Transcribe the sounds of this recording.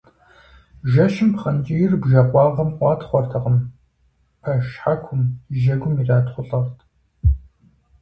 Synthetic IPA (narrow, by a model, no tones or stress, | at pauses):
ʒɐʃɪmpχɐnd͡ʒʼijɪrbʒɐqʷɑːʁɐmqʷɑːtχʷɔrtʰɐqəm | pʰɐʃħakʷʰʊmʒɐɡʷʊmiːraːtχʷʊɬʼɐʁtʰ